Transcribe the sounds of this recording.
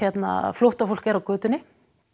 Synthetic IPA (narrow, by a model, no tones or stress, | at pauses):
ɛt̪na̰flowht̪afol̥cɛɾawkœːt̪ʏnɪ